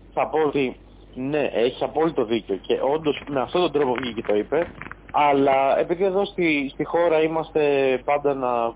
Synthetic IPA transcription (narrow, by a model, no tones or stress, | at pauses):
θɐpoot̪i | ne̞ʔeçi̥sɐpo̞lit̪o̞ðiceo̞ce̞ʔo̞nd̪o̞smeɐft̪o̞t̪ond̪ɾo̞po̞vʝice̞t̪o̞ipe̞ɐlɐe̞̰piðie̞ðo̞st̪ist̪ixo̞ɾɐimɐst̪e̞pɐnd̪ɐnɐ